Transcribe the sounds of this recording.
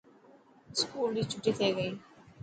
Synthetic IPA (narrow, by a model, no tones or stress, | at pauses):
skuːld̪it͡ʃʰʊʈːit̪ʰɐiɡɐiː